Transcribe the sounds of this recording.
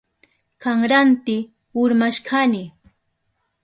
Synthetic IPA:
kaŋɾant̪ɪ | ʊɾmaʃkʰanɪ

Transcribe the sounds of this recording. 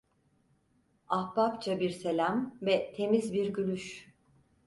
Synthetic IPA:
ahbapt͡ʃʰabiɾse̞lʲamvɛt̪ʰe̞mizbiɾɟylʲyʃ

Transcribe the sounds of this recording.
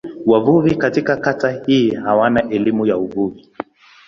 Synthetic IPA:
wavuvikatikakatahiːhawanaʔɛlimujauvuvi

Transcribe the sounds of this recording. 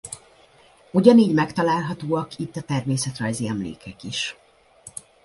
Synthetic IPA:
uɟɒniːɟmɛkt̪ɒlaːlɦɒt̪oːɒkit̪ːɒt̪ɛrmeːsɛt̪rɒjziɛmlḛːkʰɛkiʃ

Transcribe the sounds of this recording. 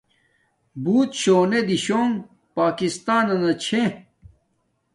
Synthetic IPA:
buːt̪ɕoːned̪iɕoːŋ | paːkist̪aːnɐnɐt͡ɕʰe

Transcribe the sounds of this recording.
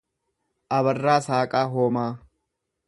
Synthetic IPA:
ʔɐβɐrːaːsaːkʼaːɦoːmaː

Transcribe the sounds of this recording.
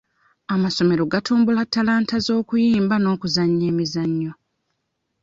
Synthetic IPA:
amaso̞me̞ɾoɡatʰuːmbulatːalaːntazo̞ːkujiːmbano̞ːkuzaɲːeːmizaɲːo̞

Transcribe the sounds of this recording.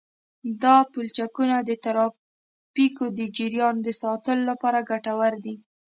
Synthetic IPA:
d̪ɑpult͡ʃakunad̪ət̪aɾɑ | pikod̪əd͡ʒiɾjɑnd̪əsɑt̪əlolapɑɾaɡaʈawəɾd̪i

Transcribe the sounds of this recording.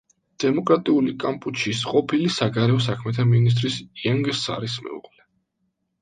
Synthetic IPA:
d̪̥ɛmɔkʼɾat̪ʼiulikʼampʼut͡ʃʰisqʼɔpʰilisaɡaɾɛɔs̬akʰmɛt̪ʰaminis̬t̪ʼɾisiaŋɡsa̰ɾismɛ̰ṵʁʼlɛ

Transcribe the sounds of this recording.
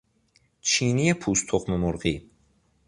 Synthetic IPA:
t͡ʃʰiniepʰust̪ʰoχmemuɾʁi

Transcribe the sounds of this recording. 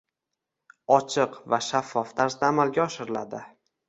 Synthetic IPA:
ɒt͡ʃʰɪqvaʃafːɒft̪ʰaɾsd̪aːmalɡʲaɒʃɪɾɪlad̪ɪ

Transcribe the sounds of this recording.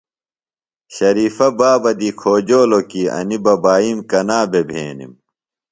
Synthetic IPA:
ɕɐɾiːfɐbaːbɐd̪ikʰoːd͡ʑoːlokiɐ̰nibɐbaːimkɐnaːbebʱḛːnḭm

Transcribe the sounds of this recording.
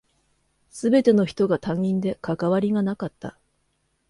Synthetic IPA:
sɨbe̞t̪e̞no̞çi̥t̪o̞ɡat̪ãŋĩnd̪e̞kakaβaɾʲiɡanakat̪ːa̰

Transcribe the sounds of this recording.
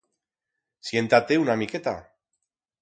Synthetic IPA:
sient̪at̪eunamiket̪a̰

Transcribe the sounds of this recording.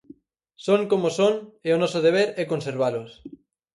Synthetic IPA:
soŋkomosoŋeonɔsoð̞eβ̞eɾɛkonseɾβ̞alos

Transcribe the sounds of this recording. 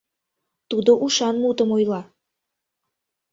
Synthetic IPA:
t̪ud̪oʔuʃɑnmut̪əmojlɑ

